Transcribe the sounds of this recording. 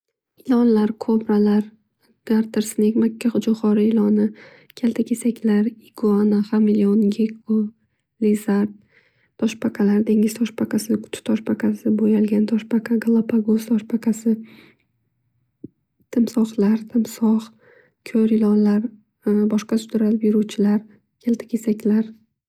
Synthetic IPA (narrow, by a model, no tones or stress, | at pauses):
ɪlɒnlaɾkʰobɾalaɾ | ɡ̥aɾt̪ʰɪɾsnekʲmakʲʰːaχʊd͡ʒʊχɒɾɪɪlɒnɪ | kʲʰalt̪ʰakʲʰesakʲlaɾɪɡoanaχamɪlionɡʲekʰʊ | lizaɾt̪ | t̪ʰɒʃpʰaqʰalaɾd̪e̞ŋɡʲɪz̥t̪ʰɒʃpʰaqʰasɪʊ̥t̪ʰʊ̥t̪ʰɒʃpʰaqʰasɪbojalɡʲant̪ʰɒʃpʰaqʰaɡlˠapʰaɡost̪ʰɒʃpʰakʰasɪ | t̪ʰɪmsɒχlaɾt̪ʰɪmsɒχ | kʲʰoɾɪlɒnlaɾ | bɒʃqɑsʊd̪ɾalbjɪɾuwt͡ʃʰɪlaɾ | kʲʰelt̪ʰɪ̥kʲʰesakʲlaɾ